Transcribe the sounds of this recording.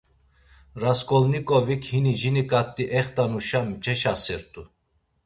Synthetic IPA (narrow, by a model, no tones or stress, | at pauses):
ɾaskʼɔlnikʼɔvikʰhinid͡ʒinikʼat̪ʼːiʔɛχt̪ʼanuʃamt͡ʃʼɛʃasɛɾt̪ʼu